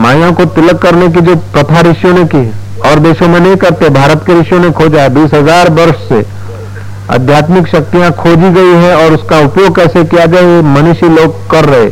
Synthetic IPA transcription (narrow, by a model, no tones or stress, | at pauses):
maːjãkot̪ɪləkːɐɾnek̬id͡ʒoːpɾɐt̪ʰaɾɪʃjõnekiɦ | ɔːɾd̪eːʃõmẽnɐɦĩkɐɾt̪eɦɛ̃bʱaːɾət̪keɾɪʃjõnẽkʰoːd͡ʒaebiːsɦɐzaːɾbɐɾʃsḛ | a̰d̪ʱjaːt̪mɪkʃɐk̚t̪ijãkʰoːd͡ʒiɡɐiɦɛɔːɾʊskaʊpjoːɡ̚kɛːsekijad͡ʒaːemɐnɪʃiloːɡkɐɾːɐɦḛː